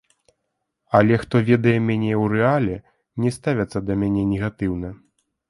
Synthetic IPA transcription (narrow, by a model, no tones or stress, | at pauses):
ɐlʲɛxt̪ɔvʲɛd̪ɐjɛmʲanʲɛwrɛalʲɛ | nʲɛst̪avʲɐt̪sːɐd̪ɐmʲanʲɛnʲɛɣat̪ɨwnɐ